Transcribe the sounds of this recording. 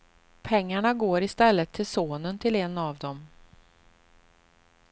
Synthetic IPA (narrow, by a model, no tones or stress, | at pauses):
pʰɛŋːaɳaɡoːɾɪst̪ɛlːət̪ʰːɪlsoːnənt̪ʰɪlɛnavd̪ɔm